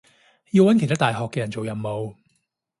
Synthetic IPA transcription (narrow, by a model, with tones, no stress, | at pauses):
ji˧wɐ˨˥nkʰe˨˩jt̪ʰaː˥t̪aː˨jɦɔː˨kːɛː˧jɐ˨˩nt͡so˨wjɐ˨˩mmo˨˧w